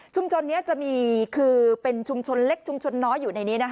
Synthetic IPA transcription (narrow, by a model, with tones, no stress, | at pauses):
t͡ɕʰu˧mt͡ɕʰo˧nːi˦˥ɐt͡ɕa˨˩ʔmiː˧kʰɯː˧pe˧nt͡ɕʰu˧mt͡ɕʰo˧nle˦˥k̚t͡ɕʰu˧mt͡ɕʰo˧nːɔː˦˥jːuː˨˩na˧jniː˦˥na˦˥